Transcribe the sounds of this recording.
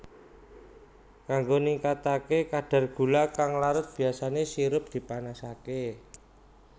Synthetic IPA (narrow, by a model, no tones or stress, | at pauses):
kaŋɡoniŋkat̪akekaɖ̥a̤rɡ̥ṳlakaŋlaɾʊt̪̚b̥i̤asanesiɾʊp̚d̪̥i̤panasake